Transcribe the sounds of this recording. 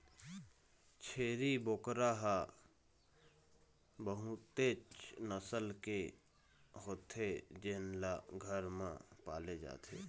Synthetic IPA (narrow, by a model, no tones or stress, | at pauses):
t͡ʃʰeːɾiboːkɾaɦa | bəɦũt̪eːt͡ʃnəsəlke | ɦoːt̪ed͡ʒenlaɡʱəɾmã̰pa̰ːled͡ʒa̰ːt̪ḛː